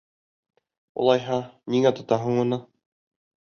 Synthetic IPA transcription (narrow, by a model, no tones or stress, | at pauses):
ṵlˠɑjɦɑniŋæt̪ŏt̪ɑɦɤɴŭnɤ